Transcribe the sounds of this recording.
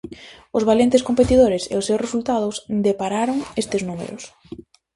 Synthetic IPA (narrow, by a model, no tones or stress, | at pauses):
ʊzβalent̪ɪskompet̪iðoɾɪsḛʊsːewsresult̪að̞ʊsd̪epaɾaɾʊŋest̪ɪznumḛɾʊ̰s